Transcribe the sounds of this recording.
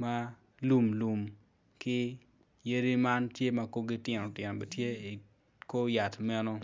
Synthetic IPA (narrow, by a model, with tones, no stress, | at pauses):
ma˦ | lu˨mlu˨m | kɪ˦ | je˦ɾi˦ma˦ntje˦ma˨ko˦ɡi˦tɪ˨no˨tɪ˨no˨be˨tje˦˨ | ko˦ja˨tmɛ˦no˦